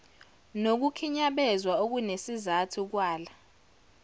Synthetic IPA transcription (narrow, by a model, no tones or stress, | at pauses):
nok̬ukʰiɲaɓɛzwaok̬unesizatʰuk̬waːla